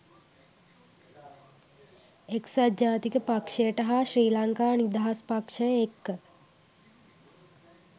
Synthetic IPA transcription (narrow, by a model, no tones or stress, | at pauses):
eksad̪d͡ʒaːt̪ikəpakʂəjəʈəɦaʃɾiːlaŋkaːnid̪aɦaspakʂəjəekːə